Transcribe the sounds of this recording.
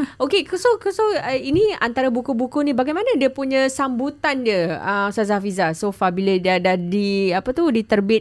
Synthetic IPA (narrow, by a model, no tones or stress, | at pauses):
ʔokeksokusoəiniant̪aɾabukubukunĩbaɡajmanãdiəpuɲə̃sambut̪andiəəmsazafizasofabilədadadiapət̪udit̪ərbɪ